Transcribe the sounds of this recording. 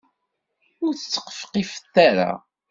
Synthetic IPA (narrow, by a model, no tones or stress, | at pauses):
ʊɾθət͡sːə̥qːə̥fə̥qifəθːaɾa̰